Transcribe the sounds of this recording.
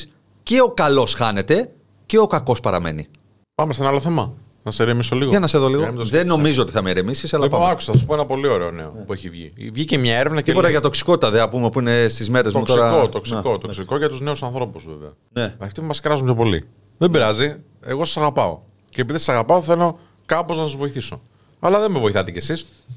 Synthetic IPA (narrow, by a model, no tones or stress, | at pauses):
ceo̞kɐlo̞sxɐne̞t̪e̞ | ceo̞kɐko̞spɐɾɐ̰me̞̰ni | pɐmesenɐaloθemɐ | nɐseɾemisoliɣoenɐseðoliɣomðeno̞mizoot̪i̥θɐmeɾemisisɐlɐpɐɐku̥sɐθɐsu̥poenɐpo̞lioɾe̞onḛopueçivʝḭvʝicemɲɐeɾevnɐcpot̪ɐʝɐt̪o̞ksi̥ko̞t̪i̥t̪ɐðeɐpumepuine̞st̪izmeɾezoutk̪oɾɐot̪oksikot̪oksiko̞ʝɐt̪uzneusɐ̃nθɾo̞puzvḛveɐ̰ | neɐft̪ipumɐskɾɐzunt̪ʰopo̞lḭ | ðebiɾɐzi | e̞ɣo̞sɐsɐɣɐpɐo̞̰ | cep̬iðisɐsɐɣɐpɐoθe̞lo̞ | kɐpo̞znɐsɐzvo̞iθiso̞̰ | ɐlɐðemevoiθɐt̪ecesis